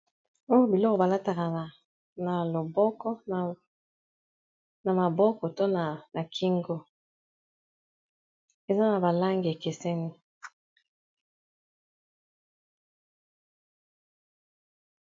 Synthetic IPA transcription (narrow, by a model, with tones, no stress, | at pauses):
o˦jo˦bi˨lɔ˦kɔ˨ba˨la˦ta˨ka˨ | na˨lo˨bɔ˦kɔ˦˨ | na˨ma˨bɔ˦kɔ˨to˦na˨na˨kʰi˦ŋɡo˦ | e˨za˦na˨ba˨la˦ŋɡi˨e˨ke˨sɛ˦ni˦